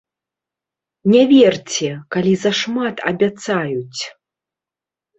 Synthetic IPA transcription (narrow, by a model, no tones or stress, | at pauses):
nʲavʲɛrt͡sʲɛkalʲizɐʂmat̪ʰɐ̰bʲat̪sajut͡sʲ